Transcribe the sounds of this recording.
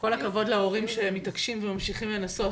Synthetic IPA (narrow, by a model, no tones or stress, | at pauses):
ko̞lakavo̞dlao̞ʁimʃemːitakʃimvemamʃiχimle̞naso̞